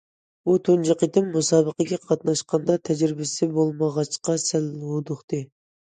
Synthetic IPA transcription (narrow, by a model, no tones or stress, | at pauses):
ut̪ʰønd͡ʒɑqid̪ɪmːusɑːbəqəɡʲɛqʰɑt̪nɑʃqɑnd̪ɑt̪ʰɛd͡ʒɾɪbɪsɪbolˠmɑʁɑt͡ʃqɑsælod̪ʊχt̪ɨ